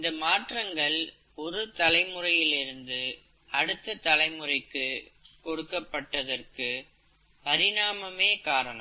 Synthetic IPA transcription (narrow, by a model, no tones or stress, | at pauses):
nd̪ɐmaːʈrɐŋɡɐɭ | ɔɾɯt̪ɐlɐɪmɯrɐjɪlɪɾɯnd̪ɯ | ɐɽɯt̪ːɐt̪ɐlɐɪmɯrɐɪkːɯkɔɽɯkːɐpːɐʈːɐðɐrkɯ | pɐɾɪnaːmɐmeːkaːɾɐnɐ̰m